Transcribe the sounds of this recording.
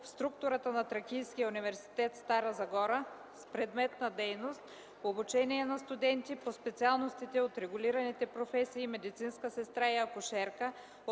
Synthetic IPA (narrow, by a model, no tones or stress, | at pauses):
fst̪ɾukt̪oɾət̪ənɐt̪ɾɐkʲijsk̟ijəunivɛɾsi̥t̪ɛt̪st̪aɾəzɐɡɔɾə | spɾɛd̪mɛt̪nɐd̪ɛjnost̪ | poːbut͡ʃɛniɛnɐst̪ud̪ɛnt̪ipospɛt̪sialˠnost̪it̪ɛot̪ɾɛɡʊliɾɐnit̪ɛpɾofɛsiːmɛd̪it̪sinskəsɛst̪ɾaiɐkʊʃɛɾkə